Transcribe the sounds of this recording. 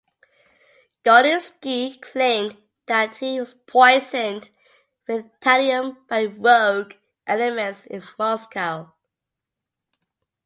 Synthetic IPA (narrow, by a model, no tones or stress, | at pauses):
ɡ̥ɔɾə̃nskikʰl̥ẽɪ̃m | ðəthiwɒz̥pʰɔɪzə̃n | wɪðtʰaliə̃mb̥aɪwɜɡ | ʔɛlɪmə̃ntsɪ̰̃nmɔskaʊ